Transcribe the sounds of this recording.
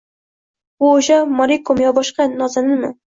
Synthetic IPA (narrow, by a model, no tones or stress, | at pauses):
ʊoʃamɒɾikomjɒbɒʃqɑnɒzanɪmɪ̰